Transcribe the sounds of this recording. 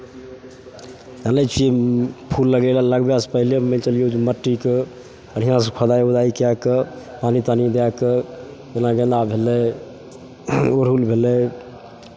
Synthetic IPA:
jalət͡ʃʰiepʰulːəɡəlaləɡbaspəɦilemẽtəljod͡ʒməʈːike | əɽ̤inãsə̃kʰəd̪ajud̪aikijakəpanit̪anid̪akə | enaɡenabʱelɛ | oɾɦulbʱelɛ

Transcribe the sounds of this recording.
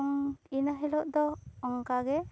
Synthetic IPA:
ŋinaɦɛlɔʔd̪ɔɔŋkaɡɛ

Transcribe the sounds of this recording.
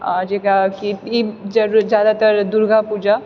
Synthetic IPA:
ad͡ʒeɡakiid͡ʒɐɾɾd͡ʒjaːd̪at̪əɾd̪uɾɡʱapuːd͡ʒa

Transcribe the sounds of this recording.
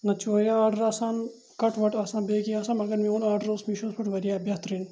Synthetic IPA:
nɐt͡ʃʰoːɾʲjaaːɖɐɾaːsaːn | kɐʈʰʋɐʈasãːnbeːɡiaːsaːmɐɡɐɾmĩoːnaːɖɐɾoːsmiʃospɐʈʋɐɾijaːbjat̪ɾin

